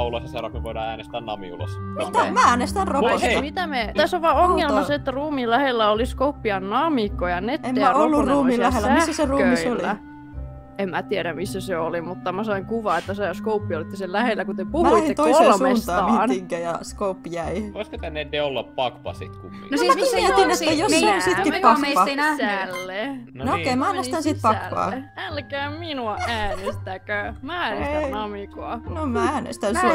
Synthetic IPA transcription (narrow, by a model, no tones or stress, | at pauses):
ulɑsjɑsɑnɑkmeʋoidɑːæːnest̪ænnɑmḭṵlɑ̰sit̪mææːnest̪ænroosmit̪æmet̪æsːoʋʋɑːoŋːelmɑseet̪ːæruːmilæhelːæoliskoupːiɑnnɑmikːojɑnet̪ːemːeæɑolːuuːiæhsæhːæseruːkøioliæ | emmæt̪iæɾæmisːæseolimut̪ːɑmæsɑiŋkuʋɑet̪ːæsɑjɑskoupːiolit̪ːesellæhelːækut̪epuhuet̪oiolmesst̪t̪ːɑːnŋkæjɑskoupːjæiʋoiskot̪ænːendeolːɑppɑkpɑ̰sḭt̪kukḭnɑsiæinet̪ːæjoseonsikitppɑkːɑlːennookeimæɑːnest̪ænsit̪̚pɑkːɑ̰ːælkæːminuɑæːnest̪ækømæænesnɑmikoɑnomææːnḛst̪ænsu